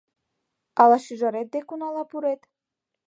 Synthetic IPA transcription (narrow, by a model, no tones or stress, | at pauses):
alaʃiʒaɾɛt̪̚d̪ekunalapuɾɛt̪